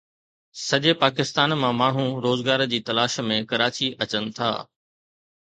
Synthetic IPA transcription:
sɐʄepaːkɪst̪aːnmãmaːɳ̤ũɾoːzɡaːɾd͡ʑiːt̪ɐlaːʃmẽkɐɾaːt͡ɕiʔɐt͡ɕənɪ̆t̪ʰa̰ː

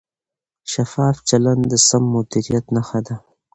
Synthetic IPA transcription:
ʃafɑːft͡ʃaland̪d̪əsamːʊd̪iɾijat̪naxad̪a

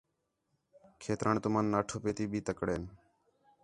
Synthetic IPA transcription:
kʰeːt̪ɾaːɳt̪ʊmaːnːaːʈʰoːpeːt̪iːbʱiːt̪əkɽeːn

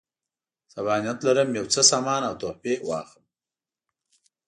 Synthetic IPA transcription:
saβɑnijat̪laɾəmjawt͡səsɑmɑːnawt̪ohpewɑ̰ːxəm

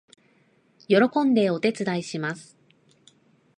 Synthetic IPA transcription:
jo̞ɾo̞kõ̞nd̪e̞o̞t̪e̞t͡sɨd̪aiɕimasɨ̥

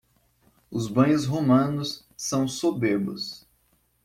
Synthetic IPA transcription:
ʊzbɐ̃j̃ʊzɦomɐ̃nʊsː | ɐ̃w̃sobeɾbʊs

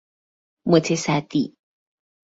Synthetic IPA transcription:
mət͡sʰesat̪i

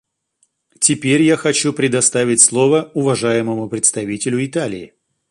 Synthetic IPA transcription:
tʲɪpʲeɾʲjaxɐt͡ɕupɾʲɪd̪ɐst̪avʲɪtʲslˠo̞vəʊvɐʐajɪməmʊpɾʲɪt̪st̪ɐvʲitʲɪlʲʊɪt̪alʲɪ̰ː

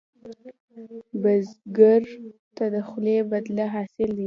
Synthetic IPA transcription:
bazɡaɾt̪ad̪əxlebad̪laɦɑsɪld̪i

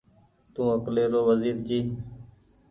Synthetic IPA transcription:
t̪ũːəkleːɾoːʋəziːɾd͡ʒiː

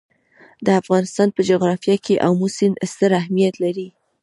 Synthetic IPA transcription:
d̪əafɣɑnɪst̪ɑnpəd͡ʒoɣɾɑfjɑkeʔawmusɪnst̪əɾaɦmijat̪laɾi

